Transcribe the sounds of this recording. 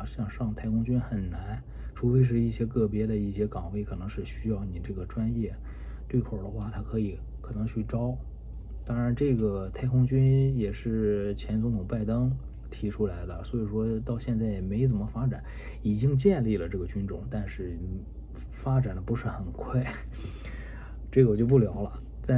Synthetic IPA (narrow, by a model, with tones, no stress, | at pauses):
ɕjɑ˥˧ŋʂɑ˥˩ŋt̪ʰa˥˧ɪkʰʊ˥ŋt͡ɕy˥nxə˨˩nna˧˥n | ʈ͡ʂʰu˧˥fe˥ɪʂ̬ɻ̩˥˧i˥˩ɕjɛ˥kɤ˥˩pjɛ˥d̪ə˨i˥˩ɕjɛ˥kɑ˨˩ŋwe˥˩ɪkʰɤ˨˩nɤ˧˥ŋʂɻ̩˥˧ɕy˥jɑ˥˩ʊni˨˩ʈ͡ʂɤ˥˩ɡə˩ʈ͡ʂwa˥njɛ˥˩ | t̪we˥˩ɪkʰo˨˩ʊd̪ə˦xwa˥˩t̪ʰa˥kʰɤ˧˥i˨˧˩ | kʰɤ˨˩nɤ˧˥ŋt͡ɕʰy˥˩ʈ͡ʂɑ˥ʊ | t̪ɑ˥ŋɻa˧˥nʈ͡ʂɤ˥˩ɡə˩t̪ʰa˥˩ɪkʰʊ˥ŋt͡ɕy˥njɛ˨˩ʂɻ̩˥˩t͡ɕʰjɛ˧˥nt͡sʊ˧˥ŋt̪ʰʊ˨˩ŋpa˥˩ɪt̪ɤ˥ŋ | t̪ʰi˧˥ʈ͡ʂʰu˥la˧˥ɪlə̰˧swɔ˧˥i˨˩ʂwɔ˥t̪ɑ˥˧ʊɕjɛ˥˧nt͡sa˥˩ɪjɛ˩me˧˥ɪ˥t͡s̬ə˨˩mə˦fa˥ʈ͡ʂa˨˩˦n | i˨˩t͡ɕi˥ŋt͡ɕjɛ˥˧nli˥˩lə˩ʈ͡ʂɤ˥˩ɡə˩t͡ɕy˥nʈ͡ʂʊ̰˨˩ŋt̪a˥˧nʂɻ̩˥˩ | fa˥ʈ͡ʂa˨˩nd̪ə˦pu˧˥ʂɻ̩˥˩xə˨˩nkʰwa˥˩ɪ | ʈ͡ʂɤ˥˩ɡə˧˩t͡ɕjo˥˧ʊp̬u˥˩ljɑ˧˥ʊlə˧ | t͡sa˥˩